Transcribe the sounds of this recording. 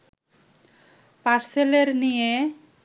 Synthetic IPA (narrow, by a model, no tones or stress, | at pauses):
paɾseleɾnije